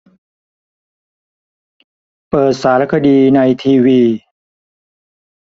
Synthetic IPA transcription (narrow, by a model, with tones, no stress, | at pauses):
pɤː˨˩t̪̚saː˩˦ɾa˦˥kʰa˧diː˧na˧jt̪ʰiː˧wiː˧